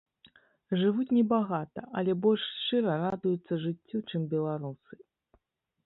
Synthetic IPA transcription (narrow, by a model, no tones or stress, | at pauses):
ʐɨvut͡sʲnʲɛbaɣat̪ɐʔɐlʲɛbɔlʲʂst͡ʂɨɾɐɾad̪ujut̪sːɐʐɨt͡sʲːut͡ʂɨmbʲɛlˠaɾusɨ̥